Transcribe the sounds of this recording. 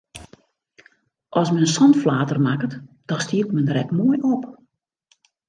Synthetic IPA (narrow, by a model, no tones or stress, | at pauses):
ʔɔsmɛnənsɔntflaːtərmakət | d̥ɔstiətmɛnərɛkmoːəjʔop